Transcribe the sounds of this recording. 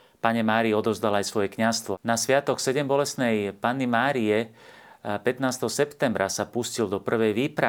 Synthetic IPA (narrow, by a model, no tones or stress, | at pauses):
paɲɛmaːɾiɔd̪ɔzd̪alajsʋɔjɛkɲast̪ʋɔnasʋɪat̪ɔksɛɟɛmbɔlɛsnɛjpaːnːimaːɾiɛ | pɛt̪naːst̪ɛɦɔsɛpt̪ɛmbɾʔasapuscild̪ɔpr̩ʋɛjʋiːpɾa